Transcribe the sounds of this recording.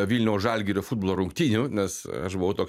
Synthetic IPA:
ʋʲiːlʲnʲɛʊʒɑlʲɡʲiːɾʲofuːd̪bolˠoːɾʊŋkt̪ʲiːnʲunʲɛsɐ̰ʃbʊʋɐʊt̪oːks

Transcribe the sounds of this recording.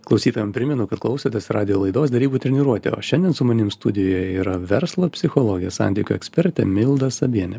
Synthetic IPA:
klˠɐʊsʲiːt̪oːjʲɛmpʲɾʲɪmʲɛnʊkɐt̪klˠɐʊsʲot̪ʲesɾɑːd̪ʲɪjoːlˠɐɪd̪oːsd̪ʲɛɾʲiːbuːt̪ʲɾʲɛnʲiːɾuɔt̪ʲḛo̰ʃʲɛnʲd̪ʲiɛnsʊmɐnʲɪmst̪ʊd̪ʲɪjoːjjɛiːɾɐʋʲɛɾslˠoːpʲsʲɪxɔlˠoːɡʲɪjɛsɑ̰nʲt̪ʲiːkʲʊɛksʲpʲɛɾʲt̪ʲɛ̰mʲɪlˠd̪ɐssɐbʲiɛnʲɛ

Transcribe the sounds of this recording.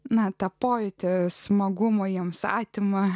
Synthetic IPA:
nɐt̪ɐpoːjɪt̪ʲɛsmɐɡʊmoːjiɛmsɑ̰ːt̪ʲɪmɐ

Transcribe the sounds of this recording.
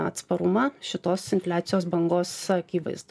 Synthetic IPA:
ɐ̰t̪spɐɾʊmɑʃʲɪt̪oːsɪnʲfʲlʲæːt̪sʲɪjoːsbɐŋɡoːsɐkʲiːʋɐ̰ɪzd̪

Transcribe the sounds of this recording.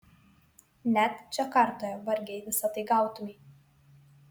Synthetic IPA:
nʲæt̪t͡ʃʲɛkɐɾt̪oːjɛʋɐɾʲɡʲɛɪʋʲɪsɐt̪ɐɪɡɑˑʊt̪ʊmʲɛɪ

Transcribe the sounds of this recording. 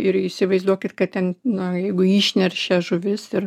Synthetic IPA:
ɪɾɪsʲɪʋɐɪzd̪uɔkʲɪt̪kɐt̪̚tʲɛnnʊjɛɪɡʊiːʃʲnʲɛrʃʲɛʒʊʋʲɪsɪɾ

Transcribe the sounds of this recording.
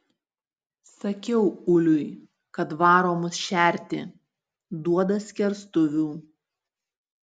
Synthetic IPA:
sɐkʲɛʊʊlʲʊɪ | kɐt̪ʋɑːɾoːmʊsʃʲæˑɾʲt̪ʲɪ | d̪uɔd̪ɐsʲkʲɛɾst̪ʊʋʲuː

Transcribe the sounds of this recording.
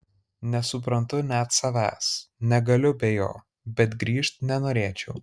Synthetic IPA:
nʲɛsʊp̬ɾɐnt̪ʊnʲæt̪sɐʋʲæ̰ːsnʲɛɡɐlʲʊbʲejo̰ː | bʲɛt̪ɡɾʲiːʃt̪nʲɛnoːɾʲeːt͡ʃʲɛʊ

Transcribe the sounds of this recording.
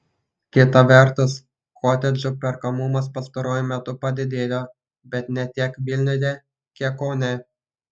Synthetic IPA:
kʲɪt̪ɐʋʲɛˑɾt̪ʊs | koːt̪ʲɛd͡ʒʲʊpʲɛɾkɐmʊmɐspɐst̪ɐɾoːjʊmʲɛt̪ʊpɐd̪ʲɪd̪ʲeːjoː | bʲɛt̪nʲɛt̪ʲiɛkʋʲɪlʲnʲʊj̪ʲeː | kʲiɛkonʲɛ

